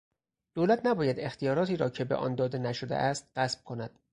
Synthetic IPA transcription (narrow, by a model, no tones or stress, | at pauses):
d̪̥oːlæt̪ʰnæbɒːjæd̪e̞xt̪ijɒːɾɒːt̪iːɾɒːcʰe̞beʔɒ̰ːnd̪ɒːd̪e̞næʃod̪ḛʔæst̪̚ɢæsb̥̚kʰonæd̪̥